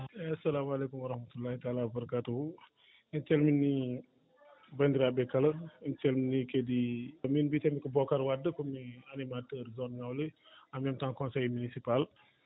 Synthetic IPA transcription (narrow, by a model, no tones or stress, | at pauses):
ɐsɐlamalekumɐɾɐhmɐt̪ulahitaːlawɐbɐɾɐkatu | intɛlminːi | bɐndɾabɛkːɐlɐintelminːikediminbitemikəbɔkaɾwadəkomianimatəɾzɔnŋawle | amjamtaŋkɔ̃nsejmunisipal